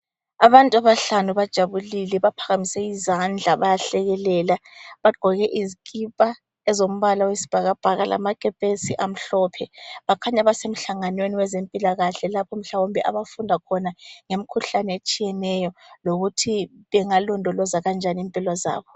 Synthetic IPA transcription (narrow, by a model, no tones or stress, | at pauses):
aβantʼuaβaɬanuβad̥ʒ̥ʱaβulilɛβapʰaɣamisɛizand͡ɮʱaβajaɬɛɣɛlɛːlaβaɡ͡ǃ̥ʱɔɣɛʔizikʼipʼa | ɛzom̩βalawesi̥b̥ʱaɣab̥ʱaɣalʔa̰makʼɛpʼesiʔam̩ɬɔpʰɛβakʰaɲaβasem̩ɬaŋanweniwɛzempʼilaɣaɬɛlapʰɔm̩ɬawombʱɛʔa̰βafundʱakʰɔnaŋemikʰuɬanɛet͡ʃʼijɛnɛjɔloɣutʰiβɛŋalɔndʱɔlɔzaɣand͡ʒʱanimpʼilɔza̰ːβɔ